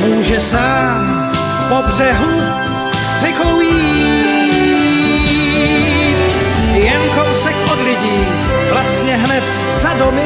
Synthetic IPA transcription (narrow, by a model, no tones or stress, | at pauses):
muːʒɛsaː | m | pobrɛɦu | ssɪkowjiː | t̪ | jɛŋkowsɛkʔodlɪɟiː | vlast̪ɲɛɦnɛt̪ | zadomɪ